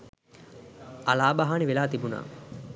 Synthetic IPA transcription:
alaːbaɦaːniʋelaːt̪ibuna̰ː

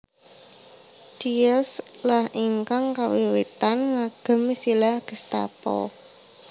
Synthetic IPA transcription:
d̥iɛslahʔiŋkaŋkawiwit̪anŋaɡ̥ə̤misilaɡ̥ə̤st̪a̰pɔ̰

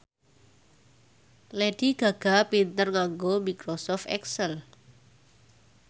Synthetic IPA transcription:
leɖ̥iɡ̥a̤ɡ̥a̤pint̪ərŋaŋɡomikɾosɔft̪ɛ̰ksəl

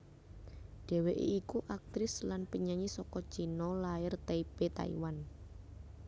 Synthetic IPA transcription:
ɖ̥e̤weʔḛikuʔak̚t̪ɾɪslanpəɲaɲisɔkɔ̥t͡ʃinɔlaɪrt̪eipet̪a̰ḭwan

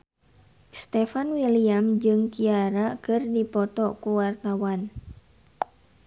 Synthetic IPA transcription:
st̪ɛfanwiliamd͡ʒɨŋkiaɾakɨrdipɔt̪ɔkuwart̪awan

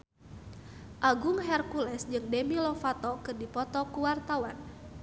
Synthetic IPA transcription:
ʔaɡuŋɦɛrkulɛsd͡ʒɨŋdemilɔfat̪ɔkɨrdipɔt̪ɔkuwart̪awan

